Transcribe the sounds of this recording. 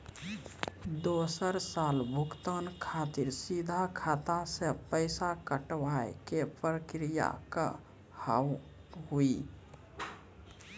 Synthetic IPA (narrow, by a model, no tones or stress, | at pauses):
d̪osəɾsalbʱukt̪ənkʰat̪iɾsid̪ʱakʰat̪asepəɪsakəʈʋajkepɾəkɾija̰kə | ha̰w | ɦui